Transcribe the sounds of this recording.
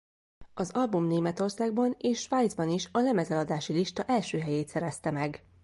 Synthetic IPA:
ɒzɒlbumneːmɛt̪o̞rsaːɡ̚bɒneːʃːʋaːjd̪zbɒniʃɒlɛmɛzɛlɒd̪aːʃiliʃt̪ɒʔɛlʃøːɦɛjeːt̪sɛɾɛst̪ɛmɛɡ

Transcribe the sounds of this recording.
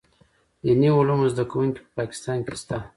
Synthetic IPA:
janiulumozd̪akawuŋkʲi̥pəpɑkɪ̥st̪ɑnkest̪a

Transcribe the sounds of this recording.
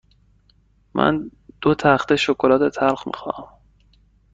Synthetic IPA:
mʔæ̰nd̪̥ot̪ʰæχt̪eʃokʰolɒːt̪ʰet̪ʰælxmḭxɒ̰ːæm

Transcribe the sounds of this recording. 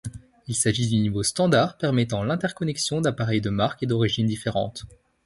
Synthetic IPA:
ilsaʒid̪ynivost̪ɑ̃d̪aʁpɛʁmɛt̪ɑ̃lɛ̃t̪ɛʁkɔnɛksjɔ̃d̪apaʁɛjd̪əmaʁked̪ɔʁiʒind̪ifeʁɑ̰̃t̪

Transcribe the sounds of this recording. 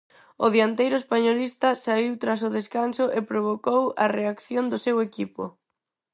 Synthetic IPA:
ʊðjant̪ejɾʊespaɲolist̪ɐsaiwt̪ɾas̬ʊðeskansʊʔepɾoβ̞okowɐ̰reakθjond̪ʊsewekipʊ̰

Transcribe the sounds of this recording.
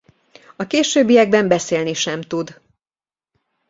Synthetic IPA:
ɒkeːʃøːbːijɛɡ̚bɛmbɛseːlniʃɛmt̪ud̪

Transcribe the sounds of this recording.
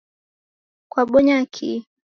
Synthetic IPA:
kwaɓɔɲakʰi

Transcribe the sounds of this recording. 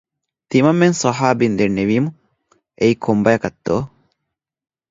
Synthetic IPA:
t̪imɐmːensɐɦaːbind̪enːeʋiːmu | eikʰombɐjɐkɐt̪ːoː

